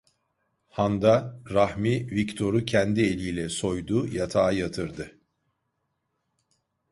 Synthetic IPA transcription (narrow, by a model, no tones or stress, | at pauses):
hand̪aɾahmivict̪ʰo̞ɾucʰɛnd̪ie̞lʲiːlʲɛso̞jd̪ujat̪ʰaːjat̪ʰɯɾd̪ɯ